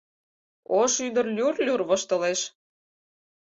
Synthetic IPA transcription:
oʃyd̪ə̆rlʲyrlʲurβə̆ʃt̪ɤ̆leʃ

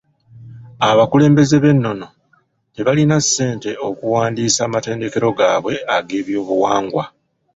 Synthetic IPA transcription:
aβakule̞ːmbe̞ze̞βe̞nːo̞no̞ | te̞βalinasːe̞ːnte̞o̞kuwaːndiːsaːmate̞ːnde̞ke̞ɾo̞ɡa̰ːβwe̞aɡe̞ːβjo̞ːβuwaːŋɡwa

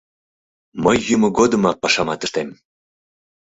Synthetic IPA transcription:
məjːumoɡod̪əmɑk̚pɑʃɑmɑt̪əʃt̪em

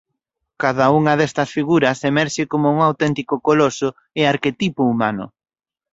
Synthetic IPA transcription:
kaðauŋɐðɛst̪ɐsfiɣuɾɐsemɛɾʃɪkomʊuŋawt̪ɛnt̪ikʊkolosʊ | ɪaɾket̪ipʊumanʊ̰

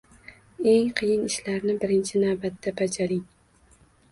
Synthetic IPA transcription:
e̞ŋqʰɨjɪnɪʃlaɾnɪbɪɾɪnt͡ʃʰɪnavbat̪ːabad͡ʒaɾɪŋ

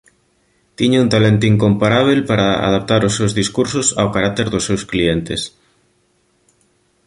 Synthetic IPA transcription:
t̪iɲeunt̪alent̪oiŋkompaɾaβ̞elpaɾaa̰ðap̚t̪aɾʊsːewzðiskuɾsʊsa̰wkaɾak̚t̪eɾðʊsːewsklient̪es

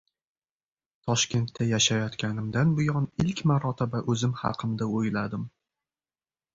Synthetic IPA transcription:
t̪ʰɒʃkʲe̞nt̪ʰːajaʃajɒt̪kʲʰanɪmd̪anbʊjɒnɪlkʲmaɾɒt̪ʰɪbaʔɵzɪmhɑ̰qʰɨmd̪aojlad̪ɪm

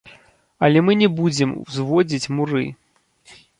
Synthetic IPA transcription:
ɐlʲɛmɨnʲɛbud͡zʲɛmzvɔd͡zʲit͡sʲmuɾɨ̰

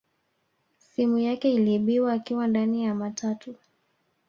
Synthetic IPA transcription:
simujakɛiliɓiwaːkiwandanijamatʰatʰu

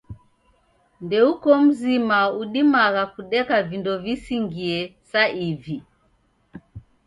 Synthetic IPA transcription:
ndɛukɔm̩zimauɗimaɣakuɗɛkavindɔvisiŋɡiɛsaivi

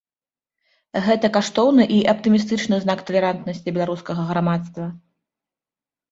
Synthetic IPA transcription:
ɣɛt̪ɐkaʂt̪ɔwnɨʔiʔɐpt̪ɨmʲis̬t̪ɨt͡ʂnɨznakt̪ɐlʲɛɾant̪nɐsʲt͡sʲibʲɛlˠaɾuskɐɣɐɣɾamat̪st̪vɐ

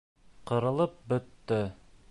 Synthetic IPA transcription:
qɤ̆ɾɤ̆lˠɤp̚bɵ̆t̪ːɘ

